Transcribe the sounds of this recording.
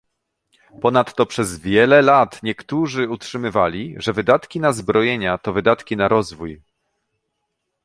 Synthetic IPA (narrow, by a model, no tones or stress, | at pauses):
pɔnat̪ːɔpʂɛzvʲjɛlɛlat̪ɲɛkt̪uʐɘutʂɘmɘvalʲiʐɛvɘd̪at̪kʲinazbɾɔjeɲat̪ɔvɘd̪at̪kʲinaɾɔzvuj